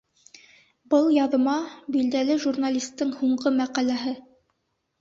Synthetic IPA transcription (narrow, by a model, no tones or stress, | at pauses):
bɤlˠjɑðɤ̆mɑbild̪ælɘʒurnalʲist̪ːɤŋhuɴɢɤmæqælæɦɘ